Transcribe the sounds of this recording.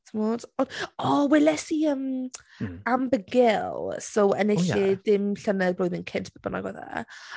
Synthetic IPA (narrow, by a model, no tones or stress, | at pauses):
tʰmod̥ɔnɔwɛlɛsiəm | ambəɡɪlˠsowə̰neɬɪd̥ɪmɬənɛbroɨðɪnkʰɪntʰb̥əbəna̰ɡwɛða̰